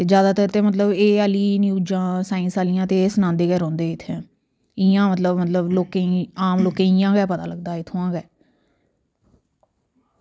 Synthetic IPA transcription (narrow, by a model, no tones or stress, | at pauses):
t̪eːd͡ʒjaːd̪aːt̪əɾt̪eːmət̪ləbeːəliːnjuːd͡ʒãːsaːĩnsaːlɪjãːt̪eːsənãːnd̪eːkɛːɾɔ̃ːnd̪eːɪt̪ʰːɛ̃ː | ɪjãːmət̪ləbmət̪ləbloːkeaːmloːkẽːɪjãːɡɛːpət̪a̰ːləɡd̪aːɪt̪ʰːõãːɡɛː